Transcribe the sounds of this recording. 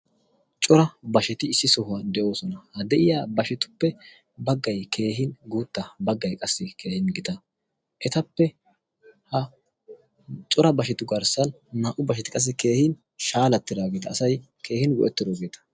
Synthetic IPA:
t͡ʃʼɔɾɐbɐʃɛt̪ɪːsːɪsɔhʊad̪ɛʔo̞ːsɔnɐhɐd̪ɛʔɪjaːbɐʃɛt̪ʊ̥pːɛ | bɐɡːɐjkʰe̞ːhɪnɡuːt̪ːɐbɐɡːɐjkʼɐsːɪkʰe̞ːhɪnɡɪt̪ɐ | ʔɛt̪ɐpːɛ | hɐ | t͡ʃʼɔɾɐbɐʃɛt̪ʊɡɐɾsɐnː | aːʔʊbɐʃɛt̪ɪ̥kʼɐs̬ːɛke̞ːhɪn | ʃaːlɐt̪ːɪd̪aːɡeːt̪ɐːsɐj | kʰe̞ːhɪnɡʊ̰ʔɛt̪ːɪɾoːɡe̞ːt̪ɐ̥

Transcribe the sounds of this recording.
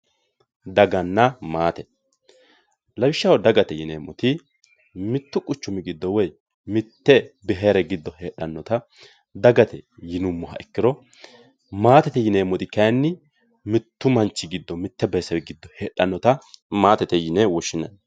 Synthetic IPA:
d̪ɐɡɐnːɐmaːt̪ɛ | lɐbɪʃːɐwɔd̪ɐɡɐt̪ɛjɪneːmːɔt̪ɪ | mɪt̪ːʊkʼʊt͡ʃːʊmɪɡɪd̪ːɔwɛj | mɪt̪ːɛbɛɦeːɾɛɡɪd̪ːɔheːɗɐnːɔt̪ɐ | d̪ɐɡɐt̪ɛjɪnʊmːɔɦɐ̰ɛkːɪɾɔ | maːt̪ɛt̪ɛjɪneːmːɔt̪ɪkɐjnːɪ | mɪt̪ːʊmɐnt͡ʃːɪɡɪd̪ːɔmɪt̪ːɛbɛjsɐwɛɡɪd̪ːɔheːɗɐnːɔt̪ɐmaːt̪ɛt̪ɛjɪnɛwɔʃːɪnɐ̰n

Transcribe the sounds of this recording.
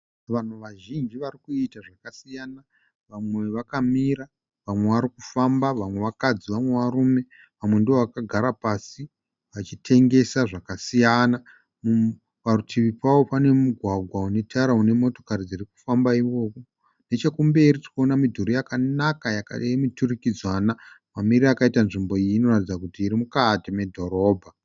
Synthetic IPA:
ʋan̤uʋaʒind͡ʒiʋarikuitaʐakasijana | ʋamwe̞ʋakamiɾa | ʋamwe̞ʋaɾikufambaʋamwe̞ʋakad͡ziʋamwe̞ʋarume̞ | ʋamwe̞ndioʋakaɡʱaɾapasi | ʋat͡ʃitʰe̞ŋɡe̞saʐakasijana | mu | parutʰiʋipwawo̞pane̞muɡʱwaɡʱwaune̞tʰaɾaune̞mo̞to̞̥karid͡ziriku̥fambaiʋo̞ko | ne̞t͡ʃekumbe̞ɾiti̥koonamidʱuɾijakanakajakemiturikid͡zwana | mamiriakaitanʐimbo̞iiːno̞ratid͡zakutiːɾimukateme̞dʱo̞ɾo̞ːbʱa

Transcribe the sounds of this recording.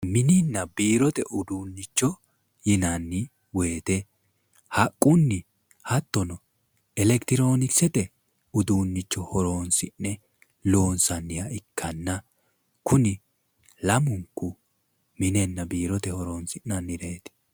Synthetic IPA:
mɪnɪnːɐbiːɾɔt̪ɛʔʊd̪uːnːɪt͡ʃːɔ | jɪnɐnːɪ | we̞ːt̪ɛ | hɐkʼːʊnːɪ | hɐt̪ːɔnɔ | ɛlɛkt̪ɪɾo̞ːnɪsɛt̪ɛ | ʊd̪uːnːɪt͡ʃːɔhɔɾo̞ːnsɪnːɛ | lo̞ːnsɐnːɪjɐɪkʰːɐnːɐ | kʊnɪ | lɐmʊŋkːʊ | mɪnenːɐbiːɾɔt̪ɛhɔɾo̞ːnsɪnːɐnːɪɾeːt̪ɛ̥

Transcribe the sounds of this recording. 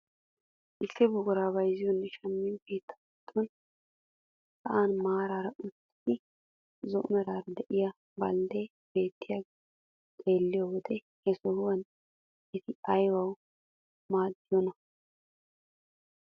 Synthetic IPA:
ʔɪsːɪbʊɡʊɾaːbɐjzɪjɔnːɛʃɐmːɪnkeːt̪ːɐ̥kɛt̪ʰːɔn | sɐʔanmaːɾaːɾɐʔʊt̪ːɪd̪ɪ | zɔʔʊnɛɾaːɾɐd̪ɛʔɪja | bɐld̪e | b̥e̞ːt̪ːɪja | kʼe̞ːlːɪjowɔd̪ɛ | hɛsɔhʊwɐn | ɪt̪ʰɪɐjwɐw | maːd̪ːɪjɔnɐ

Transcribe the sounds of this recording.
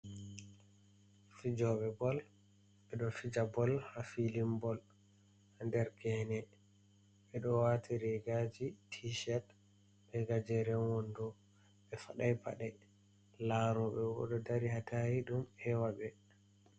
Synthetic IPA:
fid͡ʒɔɓɛbɔl | ɓɛɗɔfid͡ʒabɔlhafilimbɔl | handɛɾɡɛnɛ | ɓɛɗɔwatʰiɾɛɡad͡ʒitʰiʃɛt | ɓɛɡad͡ʒɛɾɛwɔndɔ | ɓɛfaɗajpa̰ɗɛ | laɾɔɓɛwɔ̰ɗɔdaɾihatahiɗumhɛwaɓɛ

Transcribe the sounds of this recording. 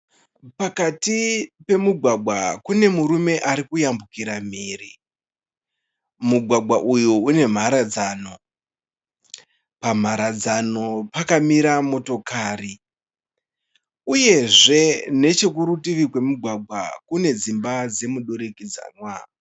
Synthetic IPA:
pakatipe̞muɡʱwaɡʱwakune̞muɾume̞ʔaɾikujambukiɾam̤iːri | muɡʱwaɡʱwaʔujuune̞m̤aɾad͡zano̞ | pam̤aɾad͡zano̞pakamiɾamo̞to̞kaːri | uje̞ʐe̞ne̞t͡ʃe̞k̬uɾutiʋikwe̞muɡʱwaɡʱwakune̞d͡zimbad͡ze̞muɗoɾekid͡za̰nwa

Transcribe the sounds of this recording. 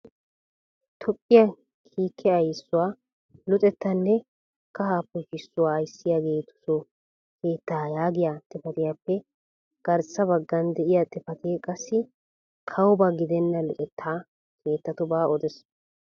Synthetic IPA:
t̪ʰɔpʼːɪjɐ | kʰiːkʰːɛɐjsːʊwaː | lɔt̪ʼɛt̪ːɐnːɛ | kːɐhaːpːɔʃɪsːʊwaːjsːɪjaːɡe̞ːt̪ʊ̥sɔ | kʰe̞ːt̪ːaːjaːɡɪjat̪ʼɪpɐt̪ɪjaːpːɛ | ɡ̥ɐɾsːɐbɐɡːɐnd̪ɛʔɪjat̪ʼɪfɐt̪ɪkʼɐsːɪ | kʰɐwɔbaɡɪd̪ɛnːɐlɔtʼɛt̪ːaː | kʰe̞ːt̪ːɐt̪ʊbaːɔd̪ɛs

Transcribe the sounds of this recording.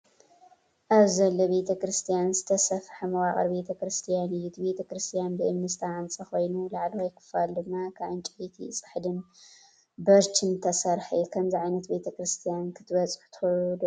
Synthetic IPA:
ʔaβzɐlːobe̞t̪ʰɐkɾɨst̪ʰijanzɨt̪ʰɐsɐfħɐmɐwaχʼɐ̰ɾbet̪ʰɐkɾɨst̪ʰijanɨjːut̪ʰbe̞t̪ʰɐkɾɨst̪ʰijanbɨʔɨmnɨst̪ʰaʕant͡sʼɐxo̞jnulaʕlwajkʰɨ̥fald̪ɨmːakʰaβʕɨnt͡ʃʼɪħit̪ʰḭt͡sʼɨ̥ħd̪ɨn | bɐɾt͡ʃʰɨnt̪ʰɐsɐɾħikʰɐmziʕajnɐt̪be̞t̪ʰɐkɾɨst̪ʰijankʰɨt̪ʰɨbɐt͡sʼɨ̥ħu̥t̪ʰɨ̥xud̪o

